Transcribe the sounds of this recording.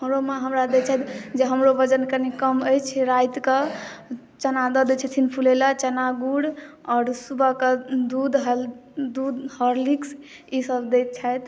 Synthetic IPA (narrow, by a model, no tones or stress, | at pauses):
ɦəmɾomeɦəmɾad̪et͡ʃʰɛt̪d͡ʒeɦəmɾobəd͡ʒənkənikəməjt͡ʃʰiɾajt̪kə | t͡ʃənad̪əd̪et͡ʃʰɛt̪ʰinpʰulelat͡ʃənaɡuɽ | ɔːɾsubʱəkəd̪ud̪ɦd̪ud̪həɾliks | isəbd̪et̪̚t͡ʃʰajt̪